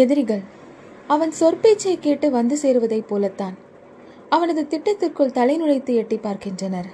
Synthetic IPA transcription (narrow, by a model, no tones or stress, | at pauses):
ɛðɪɾɪɣɐɭ | ɐʋɐnsɔrpeːt͡ʃːɐɪkːeːʈːɯʋɐnd̪ɯseːɾɯʋɐðɐɪpːoːlɐt̪ːaːn | ɐʋɐnɐðɯt̪ɪʈːɐt̪ːɪrkɯɭt̪ɐlɐɪnɯɻɐɪt̪ːɯɛʈːipːaːɾkɪndrɐnɐɾ